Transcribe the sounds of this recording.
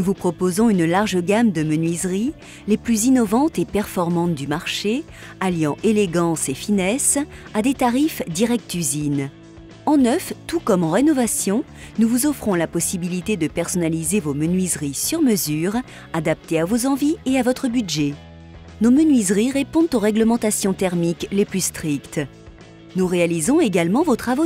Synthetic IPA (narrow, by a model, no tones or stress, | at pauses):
nuvupχɔpozɔ̃ynlaʁʒəɡamd̪əmənɥizʁi | leplyzinɔvɑ̃t̪epɛʁfɔʁmɑ̃t̪d̪ymaʁʃe | aljɑ̃ʔeleɡɑ̃sefinɛsad̪et̪aʁifd̪iʁɛk̚t̪yzin | ɑ̃nœft̪ukɔmɑ̃ʁenɔvasjɔ̃ | nuvuzɔfχɔ̃lapɔsibilit̪ed̪əpɛʁsɔnalizevomənɥizʁisyʁməzyʁ | ad̪ap̚t̪eavozɑ̃vieavɔt̪χəbydʒe | nomənɥizʁiʁepɔ̃d̪t̪oʁɛɡləmɑ̃t̪asjɔ̃t̪ɛʁmikleplyst̪χikt̪ | nuʁealizɔ̃eɡalmɑ̃vot̪χavo